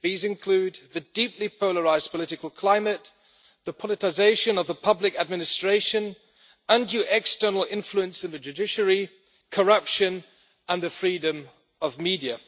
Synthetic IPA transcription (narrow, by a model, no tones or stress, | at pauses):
ðizɨ̃nkʰl̥ʉd̪ðɨdipʰlipʰoʊlˠəɹaɪzpʰəlɪɾɨkəlˠkʰl̥ãɪ̃mɨt̪̚ | ðəpʰɑlˠɨtɪzeɪʃɨ̃nʌvðəpʰʌblɪkɨd̚mɪnɨstɹ̥eɪʃɨ̃n | ə̃ndʉʔɛkstɜ˞nl̩ˠɪ̃ɱfluə̃nsɨ̃nðɨd͡ʒʉdɪʃəɹi | kʰə˞ʌpʃɨ̃n | ʔə̃nðɨfɹidɨ̃m | ʌvmidiɨ